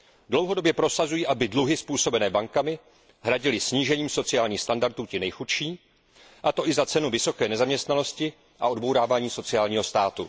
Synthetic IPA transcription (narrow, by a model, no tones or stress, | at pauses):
dlo̞wɦo̞do̞bjɛpɾo̞sazujiːʔabɪdluɦɪspuːso̞bɛnɛːbaŋkamɪ | ɦɾaɟɪlɪsɲiːʒɛɲiːmso̞t͡sɪaːlɲiːxst̪andaɾt̪uːcɪnɛjxut̪ʃiː | ʔat̪o̞ʔɪzat͡sɛnuvɪso̞kɛːnɛzamɲɛst̪nano̞scɪ | ʔa̰o̞dbo̞wɾaːvaːɲiːso̞t͡sɪaːlɲiːɦo̞st̪aːt̪ṵ